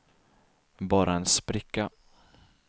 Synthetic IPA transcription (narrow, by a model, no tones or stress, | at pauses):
bɑːɾʔaɛnspɾɪkːa